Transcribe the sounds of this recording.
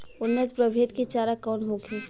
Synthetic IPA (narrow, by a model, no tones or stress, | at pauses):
ʊnːət̪pɾəbʱeːd̪kit͡ʃaːɾakɔːnɦokʰi